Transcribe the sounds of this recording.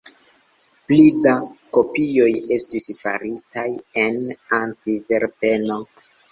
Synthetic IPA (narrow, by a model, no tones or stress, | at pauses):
plidako̞pijo̞je̞stisfa̰ɾitajenantive̞ɾpe̞no̞